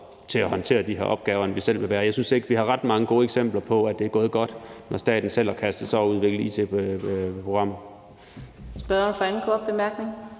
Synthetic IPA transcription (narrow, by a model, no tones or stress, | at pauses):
t͡sʰe̝æhɒ̽nt͡sʰe̝̰ːɐd̥iɦḛɐʔɒ̽b̥ɡ̥ɛːʊɐenʋisel̰ʋe̝ʋæːɐjɑ̈ɪsynse̝ɡ̥əʋihɑ̈ʁɑ̈d̥mɑ̈ŋəɡ̥o̝ːəeɡ̥sem̰b̥lɐpʰɒ̽æd̥e̝æɐɡ̥ɔ̽ːð̞̩ˠɡ̥ɒ̽d̥nʔɒsd̥ɛ̰ːd̥n̩sel̰ækʰæsd̥ð̩ˠsɒɒuð̞ˠʋe̝ɡ̥l̩ˠḭːt͡sʰe | pʰʁo̝ɡ̥ʁɑ̈m̰ð̩ | sb̥ɶɒnfɑænn̩kʰɔːd̥̚b̥e̝mæɐɡ̥ne̝ŋ